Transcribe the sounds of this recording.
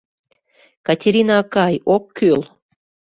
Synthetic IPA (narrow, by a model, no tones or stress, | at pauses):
katʲeɾʲinakɑjokːøl